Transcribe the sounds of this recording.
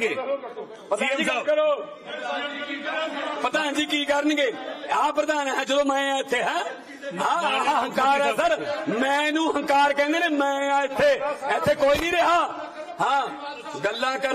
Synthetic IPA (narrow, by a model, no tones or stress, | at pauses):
ɡeː | pət̪ãːɾoː | pət̪ãːɦãːd͡ʒiːkiːkəɾənɡeːãːpɾəd̪aːnːɦɛ̃ːd͡ʒəd̪õːmɛ̃ːãːɪt̪ʰːeːɦɛ̃ː | ɦãːɦãɦə̃ŋkaːɾɛ̃ːsəɾmɛ̃ːnũːɦə̃ŋkaːɾkɛ̃ːnd̪eːneːmɛ̃ːãːɪt̪ʰːeːɛːt̪ʰːeːkoːiːnĩːɾeɦaː | hãː | ɡəlːãːkə